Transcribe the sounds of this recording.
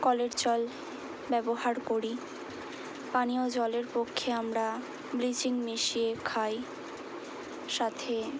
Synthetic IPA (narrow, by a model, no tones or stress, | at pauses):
kɔleɾd͡ʑɔl | bɛboɦaɾkoɾi | paniod͡ʑɔleɾpokʰːeamɾa | bɾit͡ɕiŋmiʃiekʰaj | ʃat̪ʰe